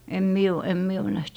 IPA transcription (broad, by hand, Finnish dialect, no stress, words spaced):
em mie o em mie o næht